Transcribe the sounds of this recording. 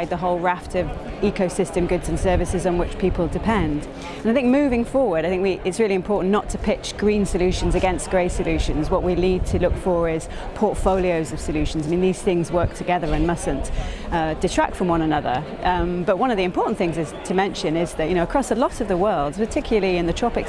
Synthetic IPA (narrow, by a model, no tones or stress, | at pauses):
ɪd̪̚ðəɦoʊlˠɹaftʌvikoʊsɪstɨ̃mɡʊdz̥ɨ̃nsɜ˞vɨsɪzn̩wɪt͡ʃpʰiˑpəl̩ˠdɨpʰɛ̃nd | ə̃naɪθɪ̃ŋk̚mʉvɪ̃ŋfɔːɹwə˞daɪθɪ̃ŋkwiʔɪtsɹɪlˠiɨ̃mpʰɔɹʔn̩nətʰəpʰɪt͡ʃɡ̥ɹĩnsəljʉˑʃə̃n̩zɨɡɛ̃nsɡ̥ɹeɪsəljʉˑʃɨ̃nzwʌʔwinid̚tʰəlʊkfə˞ɪz̥ | pʰɔɹtfoʊlˠioʊzʌv̥səljʉʃn̩zaɪmĩnðiz̥θɪ̃ŋzwɜˑ˞k̚tʰɨɡɛðə˞ɨ̃nmʌsɨ̃nʌd̥ɨtʰɹ̥æ̰k̚tfɹə̃mwʌ̃nənʌðə̰˞ | ʌ̃mb̥ʌʔ̚wʌ̃nʌvðiɨ̃mpʰɔɹʔn̩θɪ̃ŋzɪz̥tʰəmɛ̃nʃɨ̃nɪzðɨʔjɨñoʊəkʰɹ̥ɒsəlɒɾʌvðəwɜ˞lˠdz̥pə˞tʰɪkʰjl̩ˠəlˠiɨ̃nðɨtʰɹ̥ɑpɪk